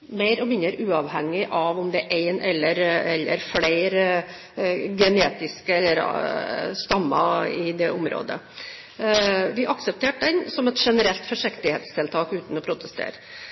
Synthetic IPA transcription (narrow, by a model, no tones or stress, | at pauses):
meɪɾɔmɪnəɾʉːɑʋhɛŋːɪʔɑʋɔmd̪ɛʔeɪnʔɛlːəɾɛlːə̰ɾfleɪɾ | ɡɛneːt̪ɪskəɛlːəɾ | st̪ɑmːɑɪd̪ɛʔʊmɾo̰ːd̪ə̰ | ʋɪʔɑksəp̚t̪ʰeːʈ̚d̪ɛnsɔmɛt̪ʂɛnəɾɛlt̪fɔʂɪkt̪ɪheːt̪st̪ʰɪlt̪ʰɑːkʉːt̪n̩ɔpʰɾʊt̪əst̪ʰḛːɾ